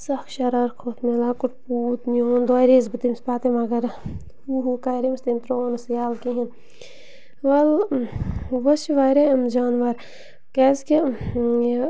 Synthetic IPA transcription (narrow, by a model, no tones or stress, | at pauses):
sɐkʰʃɐɾaɾkʰoːt̪ʰmelaːkʊʈpuːt̪njoːnd̪aːjɾeːzbɨt̪imspaːt̪emaɡɐɾ | uɦukaːjɾimst̪imt̪ɾoːnɐsjaːlkiɦĩn | ʋɐl | ʋɐʃiʋajɾeɐmd͡ʒaːnʋɐɾ | kɛːzke